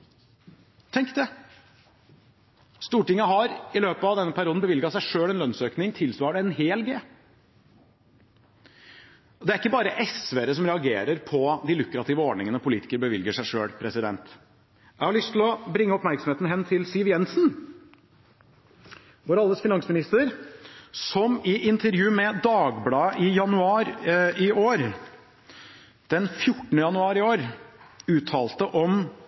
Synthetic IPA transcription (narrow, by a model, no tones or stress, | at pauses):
t̪ʰɛŋkd̪ɛ | st̪uːʈɪŋːəɦɑɾɪløːpɑʋd̪ɛnːəpʰæɾɪuːd̪n̩bəʋɪlɡɑsæɪʂøːɛnlœnsøːknɪŋt̪ʰɪlsʋɑːɖəɛnɦeːlɡeː | ɔd̪ɛæɾɪkːəbɑːɾəʔɛsʋeːɾəsɔmɾɛɑɡeːɾəɾpʰɔd̪ɪlʉkɾɑt̪ʰiːʋəɔɖɳɪŋənəpʰʊliːt̪ɪ̥kəɾbəʋɪlɡəʂæɪʂøːlpʰɾɛsɪd̪ɛnt̪ | jæɪhɑɭʏst̪ʰɪlɔbɾɪŋːəɔpmæɾksɔmeːt̪n̩ɦɛnːt̪ʰɪlsiːʋjɛnsn | ʋɔɾɑld̪əsfɪnɑŋsmɪnɪst̪əɾ | sɔmɪʔɪnt̪ʰəɾjʉːmɛd̪ɑːɡblɑːʔɪjɑnʉɑːɾɪoːɾ | d̪̥ɛnfjʊʈːɳ̩əjɑnʉɑːɾɪoːɾʉːt̪ʰːɑːlt̪əʔɔm